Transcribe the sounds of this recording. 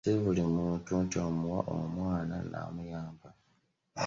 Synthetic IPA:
iβulimuntuntomuwaʔo̰mwaːna̰na̰mujaːmba

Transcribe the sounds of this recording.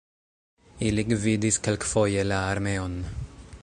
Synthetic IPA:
iliɡvid̪iskalkfojɛlaaɾmɛɔn

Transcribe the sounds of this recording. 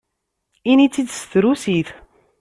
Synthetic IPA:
init͡sːid̪sθɾusiθ

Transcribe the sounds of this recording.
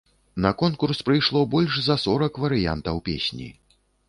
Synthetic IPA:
nɐkɔnkurspɾɨjʂlˠɔbɔlʲʂzɐsɔɾɐkvɐɾɨja̰nt̪ɐwpʲḛsʲnʲḭ

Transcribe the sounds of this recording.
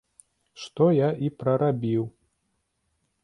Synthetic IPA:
ʂt̪ɔjaʔipɾɐɾabʲiw

